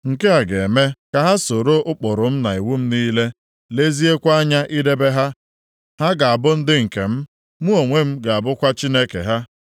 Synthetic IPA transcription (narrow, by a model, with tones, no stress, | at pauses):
ŋ̩˨ke˦a˨ɡe˨e˨me˦ka˨ɦa˦so˨ɾo˦ʔʊ˦k͡pɔ˨ɾʊ˨m̩˦na˨i˨wu˦m̩˦niː˦le˦ | le˦zi˦e˦kʷa˦a˦ɲa˦ʔi˦de˦be˦ɦa˦ | ha˦ɡa˨a˨bʊ˦n̩˦dɪ˦ŋ̩˨kḛ˨m̩˦ | mu˦o˨ŋʷe˦m̩˦ɡa˨a˨bʊ˦kʷa˦t͡ʃi˦ne˦kḛ˨ɦa˦